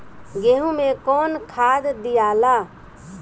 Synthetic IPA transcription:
ɡeɦũmekɔːnkʰad̪d̪ijala

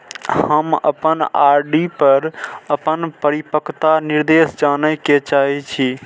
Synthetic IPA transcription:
hhəmə̰pənaɾɖipəɾəpənpəɾipəkʰt̪aniɾd̪esd͡ʒanəket͡ʃaɦit͡ʃʰi

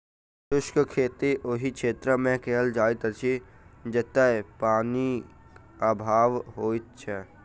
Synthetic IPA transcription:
t̪ʊʃkəkʰeːt̪iʔoɦikʃeːt̪ɾəmẽkeɦəld͡ʒaːit̪ət͡ʃʰid͡ʒət̪aepaːni | aːbʱaːʋɦoːitt͡ʃʰɛ

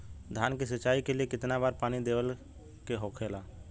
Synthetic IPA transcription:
d̪ʱjaːnkisət͡ʃːaːikeliekɪt̪nabaːɾpaːnid̪eːʋəl | keɦoːkʰeːlaː

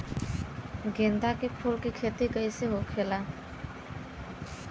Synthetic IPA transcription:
ɡẽːnd̪akepʰulkikʰeːt̪iɡəiseɦokʰeːlaː

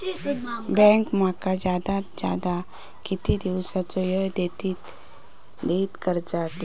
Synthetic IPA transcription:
bɛ̃ŋkmakad͡ʒaːd̪ad͡ʒja̰ːd̪a | kɪt̪id̪iʋsat͡ʃojəd̪et̪it̪ | d̪eit̪kəɾd͡ʒaːt̪i

